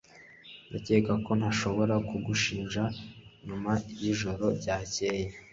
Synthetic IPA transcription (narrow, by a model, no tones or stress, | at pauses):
jaceːkako̞n̥haʃo̞βo̞ɾakuɡuʃiːnʒaɲumajiʒo̞ɾo̞ɾɟaːce̞ːje